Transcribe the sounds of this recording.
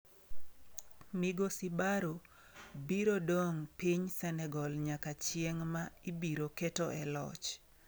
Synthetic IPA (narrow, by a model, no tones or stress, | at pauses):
miɡosibaɾo | biɾodoŋpiɲsɛnɛɡɔlɲakat͡ʃjɪeŋmaibiɾoketoʔɛlɔ̰t͡ʃ